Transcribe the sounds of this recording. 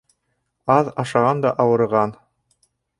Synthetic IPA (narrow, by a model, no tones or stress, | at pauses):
ɑðɑʃɑʁɑnd̪ɑʔɑwɤ̆ɾʁɑn